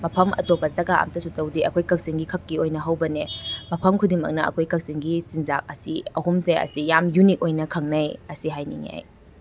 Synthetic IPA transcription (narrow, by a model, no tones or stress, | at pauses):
mɐpʰɐmʔɐ̰topːɐzɐɡaa̰mtɐsutɐwdiɐ̰kʰojkɐk̚siŋɡikʰɐkːiojnɐɦɐwbɐnemɐpʰɐmkʰudiŋmɐ̰k̚nɐɐ̰kʰojkɐk̚siŋɡisinzak̚ɐsiɐhumseɐ̰sijamjunik̚ojnɐkʰɐŋnɐjɐsiɦajniŋa̰j